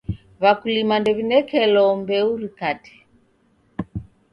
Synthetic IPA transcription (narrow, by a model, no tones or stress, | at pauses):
βakulimandɛβinɛkɛlɔmbɛuɾikatɛ̥